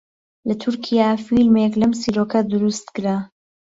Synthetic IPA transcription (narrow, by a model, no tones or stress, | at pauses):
lɐt̪ʰʊɾkʰijafilmeklɐmsiɾoːkɐd̪ʊɾust̪kɨɾa